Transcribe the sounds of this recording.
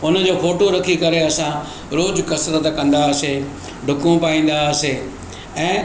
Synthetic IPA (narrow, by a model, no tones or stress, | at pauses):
ʊnə̆d͡ʑoːfoːʈoɾɐkʰikɐɾeɐsã | ɾoːd͡ʑkɐsɾət̪kɐ̃nd̪aɐse | ɖʱʊkũpaːĩːn̆d̪aseː | ɛ̃ː